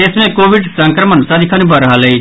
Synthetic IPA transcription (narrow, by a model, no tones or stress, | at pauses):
esmẽkoːʋɪɖsə̃ŋkɾəmənsad̪ɪkʰaːnũbəɾəɦaləi